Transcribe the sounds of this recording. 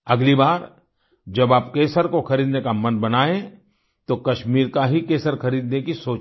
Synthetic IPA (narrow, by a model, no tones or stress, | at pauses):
ɐɡlibaːɾ | d͡ʒɐbaːpkeːsəɾkoxɐɾiːd̪nekamɐnbɐnaːẽ | t̪okɐʃmiːɾkaɦikeːsəɾxɐɾiːd̪nekisoːt͡ʃ